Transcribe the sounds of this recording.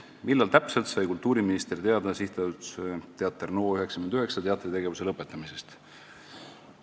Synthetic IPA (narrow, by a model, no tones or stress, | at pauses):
milːɑlt̪æpselt̪sɑjkult̪ːuːɾiminist̪ert̪e̞ɑd̪̥ɑsiht̪ɑt̪st̪eɑt̪ːˑernoːyɦe̞ksɑ̥kymend̪yɦe̞ksɑt̪eɑt̪ːˑrit̪e̞ɡe̞vuse̞lɤpːˑe̞t̪ːˑɑmise̞st̪